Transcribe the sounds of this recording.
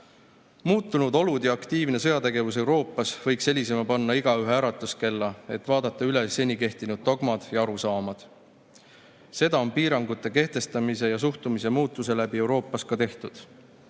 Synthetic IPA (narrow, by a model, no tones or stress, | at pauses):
muːt̪ːˑunud̪o̞lud̪̥jɑɑkt̪iːvne̞sɤ̞jɑt̪e̞ɡ̥e̞vus̬e̞wɾo̞ːpːˑɑsv̥ɤ̞jkse̞lʲise̞mɑpɑnːɑiɡ̥ɑyɦeæːɾɑt̪ːˑuske̞lːɑe̞t̪ːˑvɑːd̪̥ɑt̪ːˑɑyle̞sːe̞nʲike̞ht̪inud̪̥̚t̪oɡmɑd̪̥jɑɑɾusɑːmɑd̪̥ | se̞d̪ɑo̞npiːɾɑŋɡut̪ːˑe̞ke̞ht̪e̞st̪ɑmise̞jɑs̬uht̪umise̞muːt̪ːˑuse̞læbie̞wɾo̞ːpˑːɑskɑt̪e̞ht̪ud̪̥